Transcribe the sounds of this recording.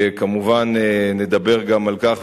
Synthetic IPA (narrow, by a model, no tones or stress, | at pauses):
kamuvanene̞d̪abe̞ʁɡamalkaχ